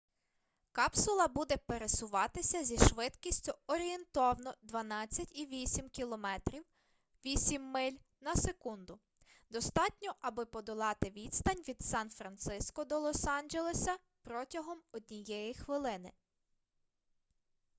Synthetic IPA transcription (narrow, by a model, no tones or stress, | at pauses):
kɑpsʊlˠɐbud̪ɛpeɾesʊʋɑt̪ɪsʲɐzʲiʃʋɪd̪kʲisʲtʲʊɔɾʲient̪ɔwnɔd̪ʋɐnɑt͡sʲːɐtʲiʋʲisʲimkʲilˠɔmɛt̪ɾʲiw | ʋʲisʲimːɪlʲ | nɐsekund̪ʊ | d̪ɔst̪ɑtʲnʲɔʔɐbɪpɔd̪ɔlˠɑt̪ɪʋʲit̪st̪ɐnʲʋʲid̪̥sɑnfɾɐnt̪sɪskɔd̪ɔlˠɔsɑnʲd͡ʒelˠesɐ | pɾɔtʲɐɦɔmɔd̪ʲnʲijɛjixʋɪlˠɪnɪ